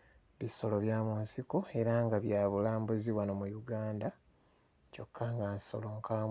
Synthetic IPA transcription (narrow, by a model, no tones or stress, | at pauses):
βiso̞loβjaːmunsiko̞e̞ɾaŋɡaβjaːβulaːmbuziβwanomujuɡaːnda | co̞̰kʰːaŋɡanso̞̰loŋkʰa